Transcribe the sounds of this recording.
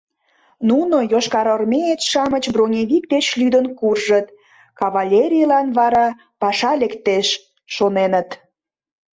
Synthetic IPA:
nunojoʃkɑɾormʲeet̪ʃɑmət͡ɕbronʲeβʲik̚t̪et͡ɕlyd̪ənkurʒət̪ | kɑβɑlʲeɾʲijlɑnβɑɾɑ | pɑʃɑlekt̪eʃː | onenət̪

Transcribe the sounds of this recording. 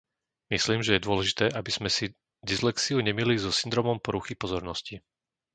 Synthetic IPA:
misliːmʒɛjɛd̪ʊɔlɛʒit̪ɛːʔabiz̥mɛsi | d̪islɛksiuɲɛmilizɔsind̪ɾɔːmɔmpɔɾuxipɔzɔɾnɔsci

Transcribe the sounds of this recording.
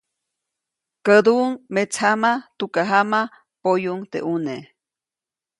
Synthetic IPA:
kəd̪uŋmet͡sʰhamat̪ukaɦama | pojuŋt̪ḛʔune

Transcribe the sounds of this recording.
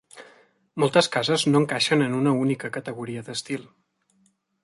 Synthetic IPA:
molˠt̪əskazəznoəŋkaʃənənunəunikəkət̪əɣuɾiəðəst̪ilˠ

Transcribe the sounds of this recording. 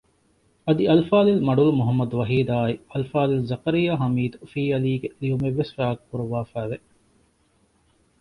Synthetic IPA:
ɐd̪iɐlfaːlilmɐɖulumuɦɐmːɐd̪uʋɐɦiːd̪aːiɐlfaːlilzɐkɐɾijaːɦɐmiːd̪ufiːɐliːɡeliumeʋːesfæːɐkkuɾuʋaːfæːʋe

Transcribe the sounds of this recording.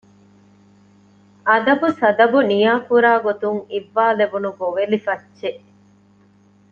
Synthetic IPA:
ʔɐd̪ɐbusɐd̪ɐbunijaːkuɾaːɡot̪uŋiʋːaːlebunuɡoʋelifɐtːʃe

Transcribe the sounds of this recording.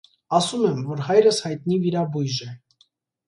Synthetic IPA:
ɑsumɛmvɔɾhɑjɾəshɑjt̪̚niviɾɑbujʒɛ

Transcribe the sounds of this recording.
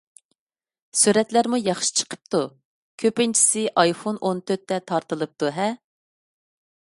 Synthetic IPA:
syɾɛt̪læɾmujɑχʃi̥t͡ʃʰə̥qʰə̥p̚t̪u | kʲʰøpɪnt͡ʃʰi̥sɪʔɑjfonʔont̪ʰøɾt̪ːɛt̪ʰɑɾt̪ɨlˠɨp̚t̪uɦɛ

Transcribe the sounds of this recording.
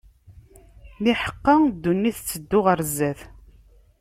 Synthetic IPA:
liħə̥qːɑd̪ːunːiθt͡sːəd̪ːʊʁəɾzæθ

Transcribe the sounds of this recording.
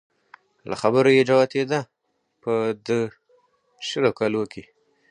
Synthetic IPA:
lʔa̰xabəɾojed͡ʒawat̪ed̪a | pəd̪ə | ʃəlokɑlokʰi

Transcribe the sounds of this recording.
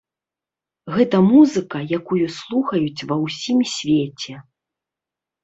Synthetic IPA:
ɣɛt̪ɐmuzɨkɐjakujuslˠuxɐjut͡sʲvɐwsʲimsʲvʲet͡sʲɛ

